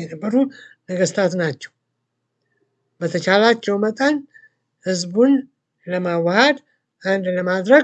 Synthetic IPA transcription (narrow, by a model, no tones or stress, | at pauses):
jɛnəbːəɾunəɡəst̪ʰat̪nat͡ʃːɛw | bət̪ʰət͡ʃalat͡ʃːɛwmət̪ʼən | hɨzbun | ləmawːəhəd̪ | ʔand̪ləmad̪ɾə